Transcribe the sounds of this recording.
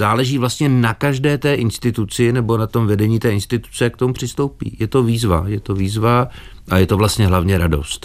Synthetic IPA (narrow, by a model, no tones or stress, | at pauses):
zaːlɛʒiːvlast̪ɲɛnakaʒdɛːt̪ɛːʔɪnst̪ɪt̪ut͡sɪnɛbo̞nat̪o̞mvɛdɛɲiːt̪ɛːɪnst̪ɪt̪u̥t͡sɛak̚t̪o̞mupr̝̥ɪst̪owpḭːjɛt̪o̞viːzva̰jɛt̪o̞viːzva | ʔajɛt̪o̞vlast̪ɲɛɦlavɲɛɾado̞̰st̪